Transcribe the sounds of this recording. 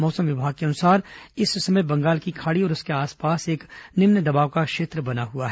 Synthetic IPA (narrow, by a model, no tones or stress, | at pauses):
mɔːsəmʋɪbʱaːɡ̚keɐnʊsaːɾɪsːɐməjbɐ̃ŋɡaːlkikʰaːɽiɔːɾʊskeaːspaːseːknɪmnəd̪ɐbaːʋkakʃeːt̪ɾəbɐnaɦuaɦɛː